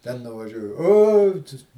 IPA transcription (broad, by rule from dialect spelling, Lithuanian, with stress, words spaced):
tʲɛn nʊʋɐˈʒʲuɔjʊ ˈoː tɐs